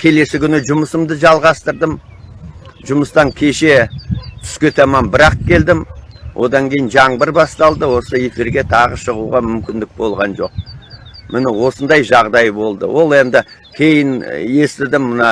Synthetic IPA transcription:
kʲʰe̞le̞sɪkʲʰʏnɪʒʊməsəmd̪əʒɑlˠʁɑst̪əɾd̪əm | ʒʊməst̪ɑŋkʲʰe̞ʃe̞t̪ʰʏ̥skʲet̪ɑmɑmbɪɾɑq̚kʲʰe̞ld̪ɪmwʔo̞̰d̪ɑŋkʲʰe̞jɪnʒɑɴbɪɾbɑst̪ɑlˠd̪əwo̞səe̞fiɾɡʲe̞t̪ʰɑʁəʃəʁuʁɑmʏmkʲɪnd̪ɪk̚bo̞lˠʁɑnʒo̞q̚ | mɪnɪwo̞sənd̪ɑjʒɑʁd̪ɑjbo̞lˠd̪ə̰wʔo̞lˠe̞nd̪ɪ | kʲʰe̞jɪne̞st̪ɪd̪ɪmənɑ

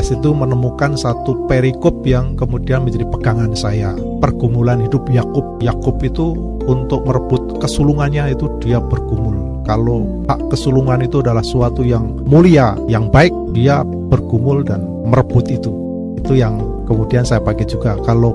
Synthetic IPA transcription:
asit̪umənəmukansat̪upeɾikɔp̚jaŋkəmudianməɲd͡ʒadipəɡaŋansaja | pərɡumulanɦidʊp̚jakʊp̚jakʊpit̪uː | nt̪ʊk̚məɾəbʊt̪̚kəsuluŋanɲait̪udiabərɡumʊl | kalo | haʔkəsuluŋanit̪uadalahsuat̪ujaŋ | muliajaŋbaɪk̚dia | b̥ərɡumʊldan | mərəbʊt̪it̪u | it̪ujaŋ | kəmudiansajapakɛd͡ʒuɡakalo

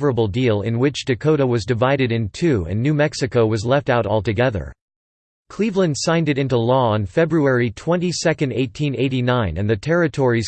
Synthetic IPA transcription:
və˞əbl̩ˠdilˠɪ̰̃nwɪt͡ʃd̥ɨkʰoʊɾəwʌzdɨvaɪɾɨɾɨ̃ntʰʉɨ̰̃nːʉmɛksɨkoʊwʌzlɛftaʊɾɔ̰lˠtɨɡɛðə̰˞ | kʰl̥ivlɨ̃nd̥sãɪ̃ndɨɾɪ̃ntulɔə̃nfɛbɹuɛɹitʰw̥ɛ̃ntisɛkɨ̃ndeɪtʰĩneɪɾinãɪ̃nɨ̰̃nðɨtʰɛɹɨtʰɔɹiz̥

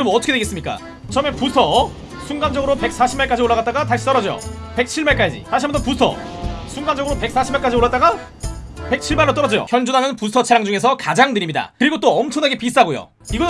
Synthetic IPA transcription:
ʌmnʌtʰʌkʰedeɡes͈ɯmɲik͈a̰ | t͡ɕʌmepusʰʌ | sʰunŋɡand͡ʑʌɡɯɾope̞k̚s͈aɕʰimaɭk͈ad͡ʑioɭːaɣat̚t͈aɡataɕ͈ʰi̥t͈ʌɾʌd͡ʑʌjo̰ | pe̞k̚t͡ɕʰiɭmaɭk͈ad͡ʑḭtaɕiamʌtʰʌpusʰʌ̰ | sʰuŋɡand͡ʑʌɡɯɾope̞k̚s͈aɕʰimaɭk͈ad͡ʑioɭːat͈̚aɡa | pe̞k̚t͡ɕʰiɭmaɾɾot͈ʌɾʌd͡ʑʌjo̰kjʌnd͡ʑunɦanɯnpusʰʌt͡ɕʰeɾaŋd͡ʑuŋe̞s̬ʰʌkad͡ʑaŋnɯɾimɲida̰kɯɾiɡot͈oʌmt͡ɕʰʌŋnaɡepis͈aɡojo̰ | iɡʌ

